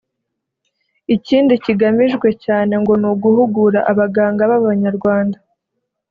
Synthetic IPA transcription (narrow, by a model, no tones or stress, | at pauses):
iciːndiciɡamiʒɡwe̞caːne̞ŋɡo̞nuːɡuhuɡuɾa̰ʔaβaɡaːŋɡaβaββaɲaɾɡwaːnda